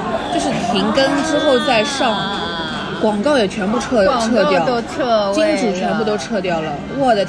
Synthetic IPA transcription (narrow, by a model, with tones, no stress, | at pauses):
t͡ɕjo˥˧ʊʂ̬ɻ̩˥˩pʰi˧˥ŋkə˥nʈ͡ʂɻ̩˥xo˥˧ʊt͡sa˥˧ɪʂɑ˥˩ŋ | kwɑ˨˩ŋkɑ˥˩ʊjɛ˨˩t͡ɕʰɥɛ˧˥npu˥˧ʈ͡ʂʰɤ˥˧ʈ͡ʂʰɤ˥˧t̪jɑ˥˩ʊo˥ʊt͡sʰt͡ɕi˥nʈ͡ʂu˨˩t͡ɕʰɥɛ˧˥npu˥˩t̪̬o˥ʊʈ͡ʂʰɤ˥˧t̪jɑ˥˩ʊlə˩ | wɔ˥˩d̪ə˩